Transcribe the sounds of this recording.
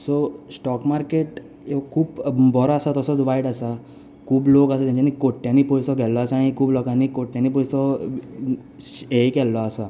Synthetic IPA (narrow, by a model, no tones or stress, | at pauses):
sosʈɔkmaɾkeʈ | ekʰuːpbɔɾɔasat̪ɔsɔt͡sʋaiɽasa | kʰuːblokasat̪jãɲt͡ɕanikoʈːjãniːpɔjsɔɡʱɛlɔasaɽ̃ikʰuːblɔkanikoʈːjãniːp̬ɔjsɔ | ekɛlːɔasa